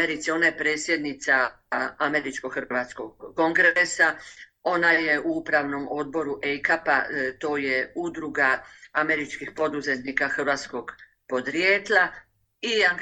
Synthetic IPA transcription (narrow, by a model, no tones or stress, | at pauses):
eɾit̪seo̞najepɾe̞ːt̪sje̞d̪nit̪sa | ame̞ɾit͡ʃkoɡxrat̪skoɡːo̞ŋɡɾesao̞naje̞ʔuupɾaʋno̞mo̞d̪̚bo̞ɾuʔejkapat̪o̞ːjeud̪ɾuɡaame̞ɾit͡ʃkixpo̞d̪uzet̪nikaxrʋaːt̪sko̞ɡ | po̞d̪ɾjeːt̪lˠa | iaŋɡ